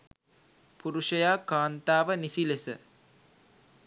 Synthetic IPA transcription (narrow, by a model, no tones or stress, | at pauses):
puɾuʃəjaːkaːnt̪aːʋənisilesə